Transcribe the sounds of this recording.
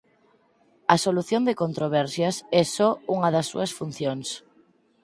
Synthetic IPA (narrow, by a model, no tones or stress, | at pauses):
ɐsoluθjond̪ekont̪ɾoβ̞ɛɾsjasɛsɔuŋaðɐsːṵɐsfun̟θjoŋs